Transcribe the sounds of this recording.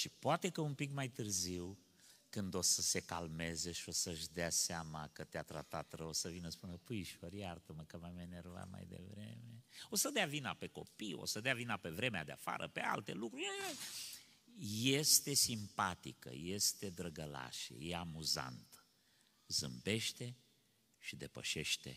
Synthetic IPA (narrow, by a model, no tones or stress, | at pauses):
ʃipoat̪e̞kəumpikmajt̪ɨrziw | kɨnd̪o̞səse̞kalme̞ze̞ʃio̞səʃd̪easeamakət̪eat̪ɾa̰t̪at̪ɾəosəvinəspunəpɨjʃoɾjart̪əməkəmamanerva̰t̪ma̰jd̪e̞̰vɾḛme̞o̞səd̪eavinape̞ko̞̰pijo̞̰səd̪eavinape̞vɾe̞mead̪eafa̰ɾʔə̰pe̞a̰lt̪e̞̰lukɾuɾʲ | jest̪e̞simpat̪ikə̰je̞st̪e̞d̪ɾəɡəla̰ʃḛjeamuza̰nt̪ | zɨmbe̞ʃt̪e̞ | ʃid̪e̞pə̰ʃe̞ʃt̪e̞̰